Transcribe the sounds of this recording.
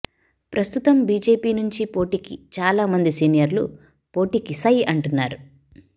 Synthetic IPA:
pɾɐst̪ut̪ɐmbiːd͡ʒe̞ːpiːnuɲt͡ʃipo̞ːʈiːkit͡ʃaːlaːmɐnd̪isiːnijɐɾlṵ | po̞ːʈiːkisɐjɐɳʈunːaːɾu

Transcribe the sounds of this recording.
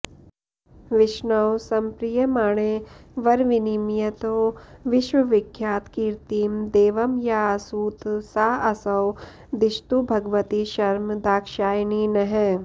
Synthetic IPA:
ʋɪʃnɐwsɐmpɾijɐmaːɽ̃eʋɐɾʋɪnimjɐt̪õʋɪʃwɐʋɪkʰːjaːt̪kiːɾt̪iːmd̪eːʋɐmjasuːt̪saːɐsɐw | d̪ɪʃt̪ubʱɐɡʋɐt̪iʃɐɾmd̪aːkʃaːjninɐɦɛ

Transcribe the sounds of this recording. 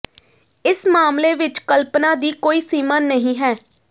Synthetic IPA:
ɪsmaːmleːʋɪt͡ʃkəlpnaːd̪iːkoːiːsiːmaːnəɦĩːɦɛː

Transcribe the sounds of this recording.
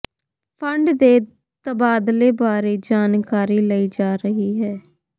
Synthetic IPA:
pʰəɳɖd̪eː | t̪əbaːd̪leːbaːɾeːd͡ʒaːnkaːɾiːləiːd͡ʒaːɾəɦiːɦɛː

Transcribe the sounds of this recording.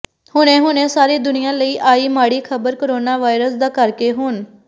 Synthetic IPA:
hʊnẽːɦʊnẽːsaːɾeːd̪ʊnɪjãːləiːʔaːiːmaːɽiːkʰəbəɾkoɾoːnaːʋaːɪɾəsd̪aːkəɾkeːɦʊn

